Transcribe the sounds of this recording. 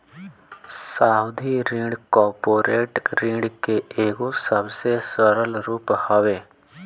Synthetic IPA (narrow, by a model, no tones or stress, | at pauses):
saːʊd̪ʱiɾĩːɖkɔːɾpoːɾeːʈɾĩːɖkeeːɡosəbsesəɾəlɾuːphəʋeː